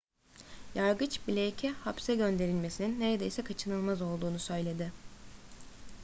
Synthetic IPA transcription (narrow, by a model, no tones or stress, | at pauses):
jaɾɡɯt͡ʃbilʲejcʰɛhapsɛɟø̞nd̪e̞ɾilʲme̞sininːe̞ɾe̞d̪e̞̰jsɛkʰat͡ʃʰɯnɯlˠmazo̞lˠd̪uːnusø̞jlʲe̞d̪ɪ